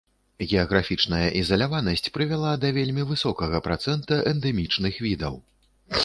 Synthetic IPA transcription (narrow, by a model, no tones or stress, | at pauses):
ɣʲɛɐɣɾafʲit͡ʂnɐjɐʔizɐlʲavanɐsʲt͡sʲpɾɨvʲalˠad̪ɐvʲelʲmʲivɨsɔkɐɣɐpɾat̪sɛnt̪ɐʔɛnd̪ɛmʲit͡ʂnɨxvʲid̪ɐw